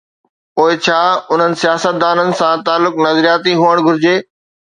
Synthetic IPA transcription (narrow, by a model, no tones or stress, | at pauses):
poːɪt͡ɕʰaːʊn̤ənɪ̆sijaːsət̪̚d̪aːnənɪ̆sãt̪aːlːʊknɐzɾijaːt̪iɦuəɽ̃ɡʱʊɾɪd͡ʑeː